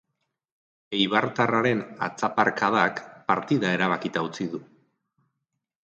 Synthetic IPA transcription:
ejβaɾt̪araɾe̞na̰t͡sapaɾkaðakpaɾt̪iðae̞ɾaβ̞akit̪aut͡siðu

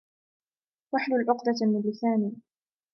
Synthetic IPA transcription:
waħlʊlʔʊqd̪ɑmɪnlɪsaːniː

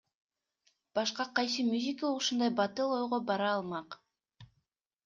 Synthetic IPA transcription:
b̥ɑʃqɑqɑjs̬ɯmʲuzʲikuʃund̪ɑjbɑt̪ɯlˠo̞jʁobɑɾɑːlˠmɑq

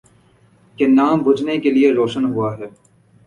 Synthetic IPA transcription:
kenaːmbʱʊd͡ʒnekelieɾoːʃənɦuaɦɛː

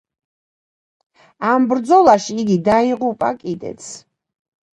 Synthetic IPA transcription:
ambɾd̪zɔlˠaʃiːɡid̪aiʁupʼakʼid̪ɛ̰t̪sʰ

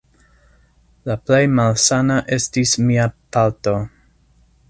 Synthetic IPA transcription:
laple̞jmalsanaʔe̞stismiapalto̞

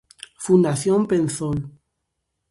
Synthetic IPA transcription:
fund̪aθjompenθol

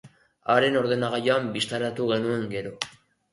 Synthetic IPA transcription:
aɾe̞no̞ɾðenaɣajoambist̪aɾat̪uɣe̞nue̞ŋɡe̞ɾo̞

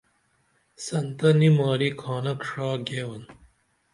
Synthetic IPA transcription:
sɐnt̪ɐnimɑːɾikʰaːnɐkʂaːɡeːwɐn

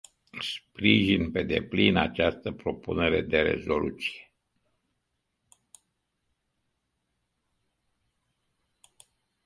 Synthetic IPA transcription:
spɾiʒinpe̞d̪e̞̰plinat͡ʃast̪əpɾo̞pune̞ɾe̞d̪e̞ɾe̞̰zo̞lʔut̪si̥je

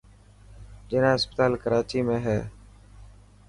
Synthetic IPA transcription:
d͡ʒɪːnãːɦɪspət̪aːlkəɾaːt͡ʃiːmẽːɦɛː

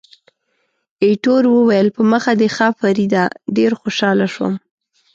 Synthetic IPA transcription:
eʈoɾwəwajəlpəməxad̪exɑfaɾid̪aɖeɾxoʃɑlaʃwə̰m

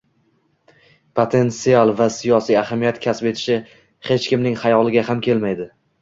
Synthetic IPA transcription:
pʰot̪ʰe̞nt̪sialˠvasijɒsijahamijat̪kʲʰaspe̞t̪ʰɪ̥ʃɪ | he̞t͡ʃkʲɪmnɪŋhajɒlˠɪɡʲahamkʲe̞lmajd̪ɪ

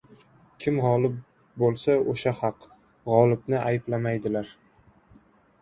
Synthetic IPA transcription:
kʲʰɪmhɒlɪp | bolˠsaoʃahɑq | ʁɒlˠɪbnɪʔajɪblamajd̪ɪlaɾ

